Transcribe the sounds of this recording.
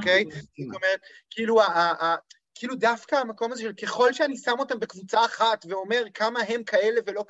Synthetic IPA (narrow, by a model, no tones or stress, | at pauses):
okejt̪omeʁet̪kiiluaaʔːkiiːludafkaːmako̞mazeʃelke̞χo̞lʃeanisamo̞t̪ambe̞kvut͡saːχat̪ve̞o̞me̞ʁkamaɦe̞mkʰae̞le̞velo̞